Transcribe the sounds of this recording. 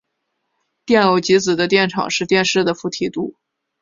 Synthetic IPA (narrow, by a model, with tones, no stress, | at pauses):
t̪jɛ˥˩no˧˩ʊt͡ɕi˧˥t͡sɹ̩˨˩d̪ə˦t̪jɛ˥˩nʈ͡ʂʰɑ̰˨˩ŋʂɻ̩˥˧t̪jɛ˥˧nʂɻ̩˥˩d̪ə˩fu˧˥˩t̪ʰi˧˥t̪u˥˩